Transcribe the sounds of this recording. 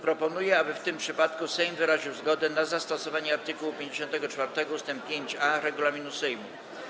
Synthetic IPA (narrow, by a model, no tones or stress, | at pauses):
pɾɔpɔnujɛabɘft̪ɘmpʂɘpat̪kusɛjmvɘɾaʑiwzɡɔd̪ɛnazast̪ɔsɔvaɲɛaɾt̪ɘkuwupʲjeɲd͡ʑeɕɔnt̪ɛɡɔt͡ʂfaɾt̪ɛɡɔust̪ɛmp̚pʲjeɲt͡ɕaɾɛɡulamʲinusɛjmṵ